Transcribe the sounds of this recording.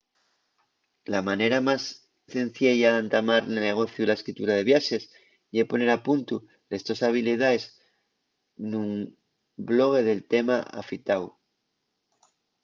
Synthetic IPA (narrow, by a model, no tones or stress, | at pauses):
lamane̞ɾamas | θe̞n̟θjeʝaant̪amaɾnene̞ɣ̞o̞θjulaeskɾit̪uɾaðe̞βjaʃe̞s | jepo̞ne̞ɾapunt̪u | le̞st̪o̞saβ̞ilið̞aes | num | blo̞ɣ̞e̞ðe̞lt̪e̞maa̰fit̪aw